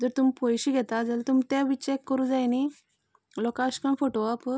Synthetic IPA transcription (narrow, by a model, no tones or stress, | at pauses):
d͡zəɾt̪umipojɕiɡʱɛt̪ad͡zəlt̪umt̪eʋit͡ɕekːəɾud͡zajni | lɔkaɕkanfoʈoap